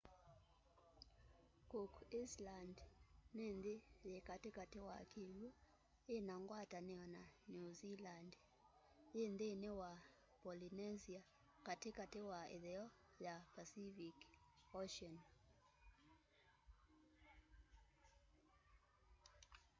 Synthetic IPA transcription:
kokislandnend̪ejekatekatewakʰilu | enaŋɡwatanɛɔnanuziland | jend̪enewa | pɔlinɛzia | katɪkatewaḛðɛɔ | japasivikɔʃiɔn

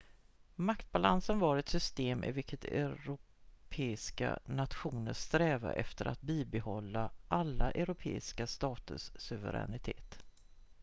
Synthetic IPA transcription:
makt̪̚balansənvɑɾɛt̪sʏst̪eːmʔɛ̰vɪkʰːət̪ɛ̰ɾʊ | pʰeːɪska̰nat̪ɧuːnəʂt̪ɾɛːva̰ʔɛ̰ft̪əɾa̰t̪̚biːbɛhɔlːaʔalːaʔɛɾʊpʰḛːɪskast̪ɑːt̪ə̰ʂsɵvə̰ɾɛ̰nɪt̪ʰeːt̪

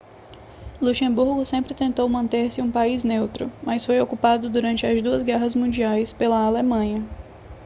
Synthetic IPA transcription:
luʃẽbuɾɡʊsẽmpɾɪt̪ẽnt̪owmɐ̃nt̪eɾsɪũpaiznewt̪ɾʊ̰mɐsfojokupad̪ʊd̪uɾɐ̃nt͡ʃɪɐzd̪uɐzɡɛɦɐzmũd͡ʒiajspelɐaːlemɐ̃ɲɐ

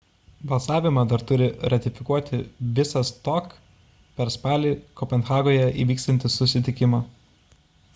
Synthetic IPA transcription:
bɐlˠsɑːʋʲɪmɑːd̪ɐɾt̪ʊɾʲɪɾɐt̪ʲɪfʲɪkuɔt̪ʲɪʋʲɪsɐst̪ok | pʲɛɾspɑːlʲiːkɔpʲɛnxɑːɡoːjɛʔḭːʋʲiːksʲt̪ʲɐnʲt̪ʲɪsʊsʲɪt̪ʲɪkʲɪmɑ

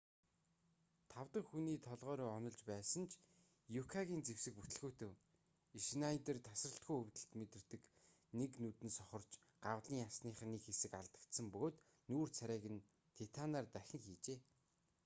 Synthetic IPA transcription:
t̪ʰawt̪ə̆χxuniːt̪ʰɔɮʁœːɾuːɔnɞ̆ɮt͡ɕpæːsə̆nt͡ɕʰ | jukʰaɣʲiːnt͡sewsɘ̆kput̪ɘ̆ɮɣuːt̪ʰew | iʃnait̪ĕrt̪ʰasrə̆ɬt̪ɡujɵwt̪ɘ̆ɬt̪met̪ɘ̆r̥t̪ɘ̆k | neknut̪ɘ̆nsɔχɞ̆r̥t͡ɕ | ɢ̥awɮiːŋasniːχniːkxesɘ̆kaɮt̪ə̆kt̪sə̆mpɵɣoːt̪ | nuːrt͡sʰæɾʲæːɣɘ̆n | t̪ʰet̪ʰanaːrt̪æxʲɪ̆ŋxiːt͡ɕeː

